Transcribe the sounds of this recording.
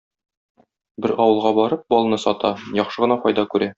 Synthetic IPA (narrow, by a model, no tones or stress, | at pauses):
bɘɾɒwɤ̆lˠʁɑbɒɾɤp̚bɒlˠnɤsɒt̪ɑjɒχʃɤʁɤ̆nɑfɒjd̪ɑkʉɾæ